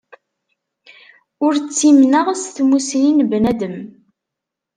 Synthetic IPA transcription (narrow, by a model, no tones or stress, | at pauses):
ʊɾt͡sːimnəʁsθmusɾinbnæd̪əm